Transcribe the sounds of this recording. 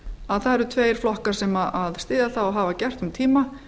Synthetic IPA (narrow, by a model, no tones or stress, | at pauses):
aðθaðɛɾʏt̪ʰveːjɾ̥flɔhkaɾ̥sɛmaaðst̪ɪːðaθawɔɦaːvacɛr̥t̪ʏmt̪ʰiːma